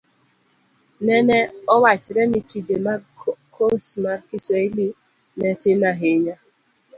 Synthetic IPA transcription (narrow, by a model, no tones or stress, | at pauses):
nɛnɛɔwat͡ʃɾɛnitid͡ʒemakʰosmarkɪsweli | nɛtɪmaɦeɲa